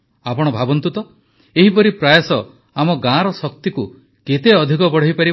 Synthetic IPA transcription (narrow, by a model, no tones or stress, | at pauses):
apɔɽ̃ɔbʱabɔnt̪ut̪ɔ | eɦipɔɾipɾajesɔ | amɔɡãɾɔsɔk̚t̪iku | ket̪eɔd̪ʱikɔbɔɽ̤ɔjpaɾi